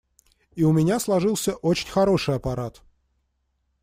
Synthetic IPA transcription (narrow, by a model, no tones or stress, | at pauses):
iʊmʲɪnʲaslˠɐʐɨlˠsʲəʔot͡ɕɪnʲxɐɾo̞ʂɨjɐpɐɾat̪